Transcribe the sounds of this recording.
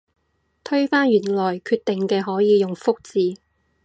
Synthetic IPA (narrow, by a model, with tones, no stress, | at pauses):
t̪ʰɵ˥ɥfaː˥nɥyː˨˩nlɔː˨˩jkʰyː˧t̪ɪ˨ŋkɛː˧ɦɔː˨˥jiː˨˧jʊ˨ŋfʊ˥k̚t͡siː˨